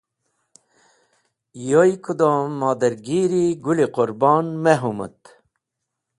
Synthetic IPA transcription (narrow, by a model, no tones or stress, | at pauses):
jojkud̪omːɑːd̪ɐɾɡiɾiɡuliquɾbɑːnmeɦumə̰t̪